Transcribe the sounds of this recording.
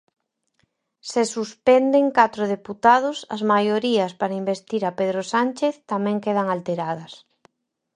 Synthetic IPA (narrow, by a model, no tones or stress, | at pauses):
sesuspɛnd̪eŋkat̪ɾoð̞eput̪að̞ʊsɐ̰zmajoɾiɐspaɾaimbest̪iɾapeðɾosant͡ʃeθt̪amɛ̃ŋkeð̞ɐŋalt̪eɾað̞ɐs